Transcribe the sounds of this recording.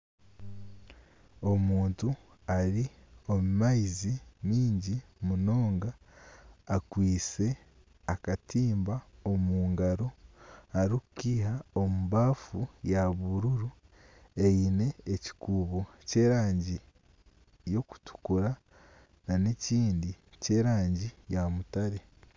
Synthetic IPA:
o̞muːntu | aɾio̞mumaizimiːɲɟimuno̞ːŋɡaː | kwiːse̞ | akatiːmbaomuːŋɡaɾo̞aɾioku̥kiːɦaomuβaːfujaβuɾuɾu | e̞jine̞ːci̥kuːβo̞ | ce̞ːɾaːɲɟi | jo̞ku̥tu̥kuɾa | nane̞ciːndice̞ːɾaːɲɟijamutaɾe̞

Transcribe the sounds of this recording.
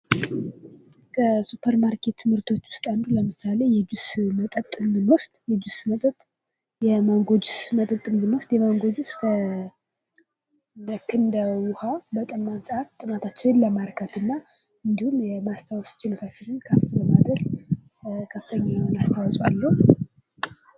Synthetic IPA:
kʰəsupʰəɾmaɾkʰe̞t̪ʰːɨmɨɾt̪ʰo̞t͡ʃːwʊst̪ʼand̪uləmɨsale̞jɛd͡ʒusmət̪ʼət̪ʼːɨmbɨnwɔst̪ʼjɛd͡ʒusmət̪ʼət̪ʼ | jɛmaŋɡo̞d͡ʒusmət̪ʼət̪ʼːɨmbɨnwɔst̪jɛmaŋɡo̞d͡ʒuskʰə | əkʰɨnd̪əwʊhabət̪ʼəmːansəat̪t̪ʼːɨmat̪ʰat͡ʃːɪnləmaɾkʰət̪ɨnːa | ɨnd̪ihumjɛmast̪ʰawɔst͡ʃɪlo̞t̪ʰat͡ʃːɪnɨnkʰəft̪ləmad̪ɾəɡ | kʰəfɨ̥t̪ʰəɲːanast̪ʰawɔsʼalːəhu

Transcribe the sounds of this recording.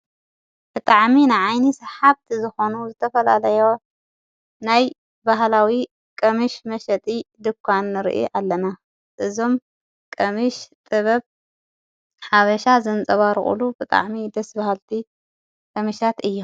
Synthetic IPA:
b̥ɨt̪ʼaʕminɨʕajnisħaβt̪ʰizɨxo̞nuzɨt̪ʰɐfɐlalɐjo̞ | naj | baɦlawi | kʼɐmɨʃmɐʃɐt̪ʼid̪ɨkʷʰːanːɨɾ̰ʔḭʔalːɐna | ʔɨzo̞m | kʼɐmɨʃt̪ʼɨβɐβ | ħaβɐʃazɨnt͡sʼɐβaɾ̰χʼṵlubɨt̪ʼa̰ʕmid̪ɐsbahalt̪ʰi | kʼɐmɨʃat̪ɨjːo

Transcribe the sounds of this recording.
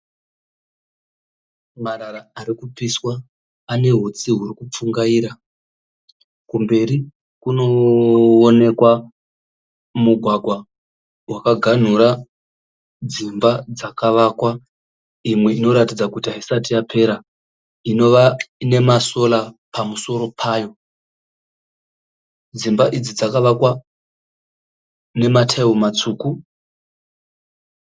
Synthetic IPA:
maɾaraːɾikupiswaː | ne̞ɦut͡siɦurikup͡fuŋɡaiːɾa | kumbe̞ɾi | kuno̞one̞kwa | muɡʱwaɡʱwa | wakaɡʱan̤uɾa | d͡zimbad͡zakaʋaːkwa | imwe̞ino̞ɾatid͡zakutaɦisatijapʰe̞ɾa | ino̞ʋaine̞maso̞lapamuso̞ɾo̞pʰaːjo̞ | d͡zimbaʔid͡zid͡zakaʋakwa | ne̞matʰeumat͡suːku

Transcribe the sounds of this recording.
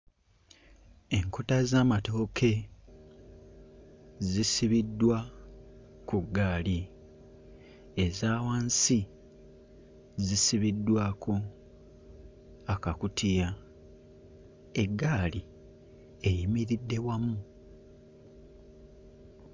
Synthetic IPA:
e̞ŋko̞tazaːmato̞ːkʰe̞ | zisiβidːwa | kuɡːaːli | ezaːwaːnsi | zisiβidːwaːkʰo̞ | akakutʰija | e̞ɡːaːli | ejimiɾidːe̞wamu

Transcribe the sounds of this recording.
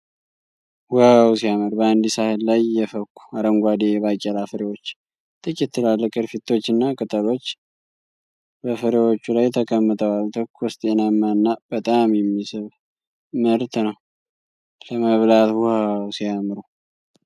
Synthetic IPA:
wʊhawsijamɨɾbəand̪isahɨlːajːɛfəkʷʰːu̥aɾəŋɡʷad̪ebakʼɛlafəɾewot͡ʃː | t̪ʼɨkʼɛt̪ʰːɨlalːəkʼɨɾfit̪ʰːo̞t͡ʃːɨnːakʼɨt̪ʼəlo̞t͡ʃː | bəfəɾewo̞t͡ʃːulajt̪ʰəkʼəmːɨt̪ʰʼəwalt̪ʰəkʰːɔst̪ʼenamːanːab̥ət̪ʼamjɛmːisɨβ | məɾt̪nəw | ləməβlat̪wʊhawsijamɾu

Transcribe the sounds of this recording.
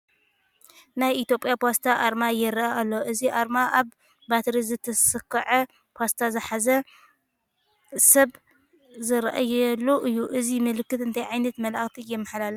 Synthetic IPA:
najit̪jo̞pʼjapʰast̪ʰaʔaɾmajɪɾʔaalːoʔɨziʔaɾmaʔaβ | bat̪ɾizɨt̪ʰɐsɨkʰːɐʕɐ | pʰast̪ʰazɨħazɐ | sɐβ | zɨɾʔa̰jɛlːuʔɨjːuʔɨzimɨlɨkːɨt̪ɨnt̪ʰajʕajnɐt̪mɐlaxt̪ʰijɛmːɐħlalɐ

